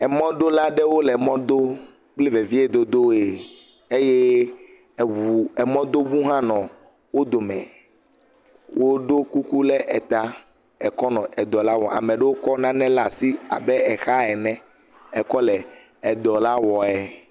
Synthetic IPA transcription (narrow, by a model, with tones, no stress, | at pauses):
ɛ˨mɔ̃˦d̪o˦la˦ɖɛ˦wo˦lɛ˨mɔ̃˦d̪o˦ | k͡pli˦ve˨vi˦e˨d̪o˦d̪o˦e˨ | e˦je˦˨ | wu˨ɛ˨mɔ̃˦d̪o˦wu˦ɦã˦nɔ̃˨ | wo˦d̪o˨mɛ̰̃˨ | wʔo˦ɖo˦ku˦ku˦lɛ˦ʔɛ˨t̪a˦ | ɛ˨kɔ˦nɔ̃˨ɛ˨d̪ɔ˨la˦wɔ˨a̰˨mɛ̃˨ɖe˦wo˦kɔ˦nã˦nɛ̃˦la˨si˦a̰˨bɛ˦ɛ˨xa˦ɛ˨nɛ̃˦ | ɛ˨kɔ˦lɛ˨ | ɛ˨d̪ɔ˨la˦wɔ˨ɛ˨